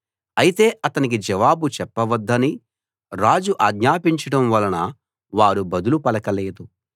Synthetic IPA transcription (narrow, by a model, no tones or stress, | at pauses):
ɐjit̪e̞ːʔɐt̪ɐnik̬id͡ʒɐʋaːbut͡ʃɛpːɐʋɐd̪ːɐni | ɾaːd͡ʒuʔaːɡɲaːpiɲt͡ʃɐɽɐmʋɐlɐnɐ | ʋaːɾubɐd̪ulupɐlɐkɐleːd̪u